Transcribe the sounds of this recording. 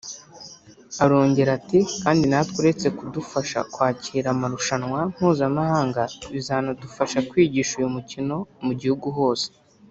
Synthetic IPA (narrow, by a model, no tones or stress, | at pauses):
aɾo̞ːɲɟe̞ɾatikaːndinatwuɾe̞t͡se̞kudufaʃa̰kwaːciːɾamaɾuʃanwam̥huːzamahaːŋɡaβizanadufaʃakwiːɟiːʃujumucino̞muɟihuɡuɦo̞ːse̥